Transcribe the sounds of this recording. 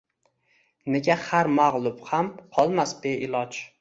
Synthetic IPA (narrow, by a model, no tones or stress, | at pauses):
ne̞ɡʲahaɾmaʁlˠʊbhamqʰɒlˠmasbeʔɪlˠɒd͡ʒ